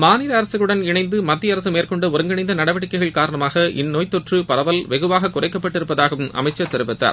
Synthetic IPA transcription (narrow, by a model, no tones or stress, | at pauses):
maːnɪɾɐːɾɐsɯɣɐɭɯɽɐnɪɳɐɪnd̪ɯmɐt̪ːɪjɐɾɐsɯmeːrkɔɳɖɯʊɾɐŋɡɐɳɪnd̪ɐnɐɽɐʋɐɽɪkːɐɪɣɐɭkaːɾɐɳɐmaːɣɐʔɪ̰nːoːjt̪ːɔʈrɯpɐɾɐʋɐlʋɛɣɯʋaːɣɐkʊrɐɪkːɐpːɐʈːɪɾɯpːɐðaːɣɐʋɯmɐ̰mɐɪt͡ʃːɐt̪ːɛɾɯpɪt̪ːa̰ːɾ